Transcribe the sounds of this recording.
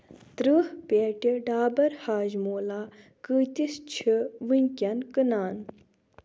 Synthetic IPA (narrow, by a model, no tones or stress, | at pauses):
t̪ɾɨhpeʈʲiɖaːbɐɾhaːʒmoːlaː | kɨːt̪ist͡ʃʰiʋinʲkʲɐnkɨnaːn